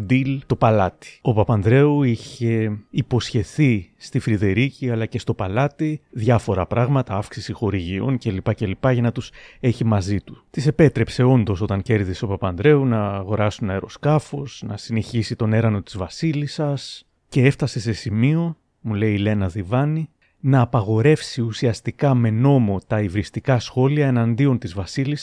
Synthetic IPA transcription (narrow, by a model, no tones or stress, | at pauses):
d̪ilt̪o̞pɐlɐt̪i̥o̞pɐpɐnd̪ɾe̞uiçe̞ipo̞sçe̞θist̪ifɾiðe̞ɾiciɐlɐce̞st̪o̞pɐlɐt̪iðʝɐfo̞ɾɐpɾʔɐɣmɐt̪ɐɐfksisixo̞ɾiʝio̞̰nce̞lipɐce̞lipɐʝɐnɐt̪use̞çimɐzit̪ut̪ise̞pe̞t̪ɾe̞pse̞o̞nd̪o̞so̞t̪ɐŋce̞ɾðiseopɐpɐnd̪ɾe̞unɐːɣo̞ɾɐsunɐeɾo̞skɐfo̞snɐ̰sineçisit̪o̞ne̞ɾɐno̞t̪i̥zvɐsilisɐs | ce̞eft̪ɐse̞se̞simio̞ | mule̞iːle̞nɐðivɐni | nɐːpɐɣo̞ɾe̞fsiusiɐst̪ikɐme̞no̞mo̞t̪ɐivɾist̪ikɐsxo̞liɐe̞nɐnd̪io̞nt̪izvɐsilis